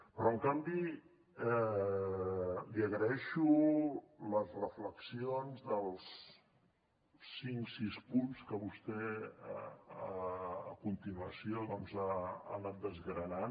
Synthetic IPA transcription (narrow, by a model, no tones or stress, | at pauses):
pɾɔəŋkambi | ɛ | liəɣɾəɛʃu | ləzrəfləksionzðəlˠs | iŋksispunskəβust̪ɛ | əəkunt̪inuəsijoðɔnza̰ːnat̪̚d̪əzɣɾənan